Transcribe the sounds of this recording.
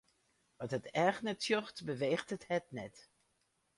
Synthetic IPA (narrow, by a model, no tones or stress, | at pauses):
ʋɑtɦətɛxnətjɔxtbəʋeːxtəthɛtnɛt